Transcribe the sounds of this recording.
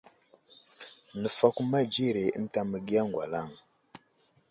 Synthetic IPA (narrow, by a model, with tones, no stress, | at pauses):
nə˨fa˦ku˦ma˦d͡ʒi˦˨ɾe˨ə̰˦n˦ta˦mə˨ɡi˦ja˦ŋɡwa̰˨la˦˨ŋ